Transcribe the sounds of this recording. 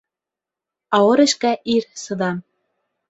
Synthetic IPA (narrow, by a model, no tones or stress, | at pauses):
ɑɤ̆ɾĕʃkæʔirsɤ̆d̪ɑm